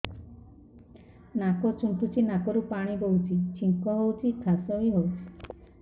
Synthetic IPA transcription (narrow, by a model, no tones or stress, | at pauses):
nakɔt͡ʃuɳʈut͡ʃʰinakɔɾupaɽ̃iɡowt͡ʃʰit͡ʃiŋkɔɦowt͡ʃʰitʰasɔɦiɦowt͡ʃʰi̥